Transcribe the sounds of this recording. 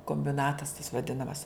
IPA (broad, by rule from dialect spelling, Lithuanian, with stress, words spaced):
koːmʲbʲɪˈnɑːtɐs tɐs ʋɐˈdʲɪnɐmɐs